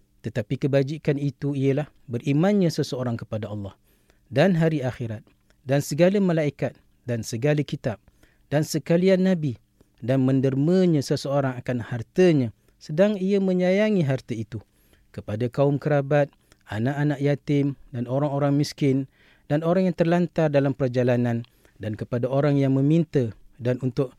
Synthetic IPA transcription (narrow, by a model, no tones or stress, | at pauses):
t̪ət̪apikəbad͡ʒikanit̪uiəlahbərimãnɲãsəsəoɾaŋkəpadaɑlːɑh | danɦaɾiaxeɾat̪̚ | dansəɡalamalaikat̪̚ | dansəɡalakit̪ap̚ | d̥ansəkalianːabi | danmə̃ndərmə̃ɲãsəsəoɾaŋakanhart̪əɲã | sədaŋiamə̃ɲajaŋiɦart̪əit̪u | kəpadakaʊmkəɾabat̪̚ | anaʔanaʔjat̪ɪmdanoɾaŋoɾaŋmiskɪn | danoɾaŋjaŋt̪ərlant̪ardalampərd͡ʒalanãn | dankəpadaoɾaŋjaŋmə̃mint̪ədanunt̪ʊʔ